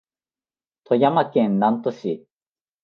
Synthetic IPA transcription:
t̪ʰo̞jamakẽnnãnt̪o̞ɕi

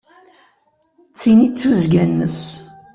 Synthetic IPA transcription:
t͡sːinit͡sːuzɡænːəs

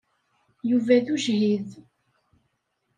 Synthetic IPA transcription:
juvæðuʒhið

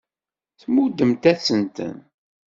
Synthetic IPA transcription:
θmud̪ːəmt̪æsənt̪ə̰n

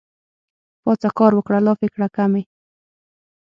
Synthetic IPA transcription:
pɑt͡sakɑɾwʊkɽalɑfɪkɽakamɪ

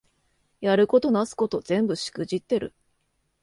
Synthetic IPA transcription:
jaɾɯ̟ko̞t̪o̞nasɨ̥ko̞t̪o̞z̥ẽ̞mbɯ̟ɕi̥kɯ̟ʑit̪ːe̞ɾɯ̟̰

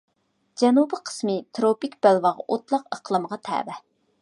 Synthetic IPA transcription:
d͡ʒɛnubɨqʰə̥smɨt̪ʰɾopikʲb̥ælwɑʁɑʔot̪lˠɑqəqʰlˠɨmʁɑt̪ʰɛ̰ːvɛ

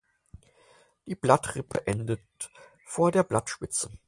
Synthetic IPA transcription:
d̥iːb̥latʁ̥ɪpʰə̰ʔɛndət | foːɐdeːɐblatʃpɪt͡sə

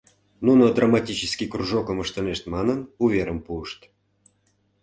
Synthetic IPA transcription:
nunod̪ramɑtʲit͡ɕəskʲikruʐokəməʃt̪ə̆neʃt̪mɑnənuvʲeɾəmpuəʃt̪

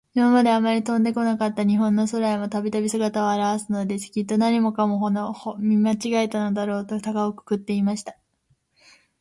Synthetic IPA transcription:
imamad̪e̞amaɾʲit̪õ̞nd̪e̞ko̞nakat̪ːaɲ̟iɦõ̞nːo̞so̞ɾaemo̞t̪abʲit̪abʲisɨɡat̪aβaːɾaβasɨno̞d̪e̞t͡ɕi̥kʲit̪ːo̞naɲ̟imo̞kamo̞ɦonohomʲimat͡ɕiɡaet̪ano̞d̪aɾo̞ːt̪o̞t̪aɡaokɯ̥kɯ̟t̪ːe̞imaɕi̥t̪ḁ

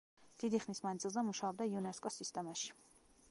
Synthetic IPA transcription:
d̪̥id̪iχnismand̪zilˠzɛmuʃaɔb̚d̪aiunɛskʼɔsist̪ʼɛmaʃi̥

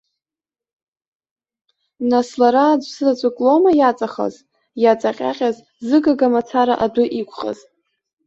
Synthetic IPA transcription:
naslaɾaːd͡ʒʷʼsɨzat͡ɕʷʼakʼlomajat͡sʼaχa̰z | jat͡sʼaqʲʼa̰qʲʼaz | zɨɡaɡamat͡sʰaɾa̰ʔadʷʊʔikʷʰʼχa̰z̥

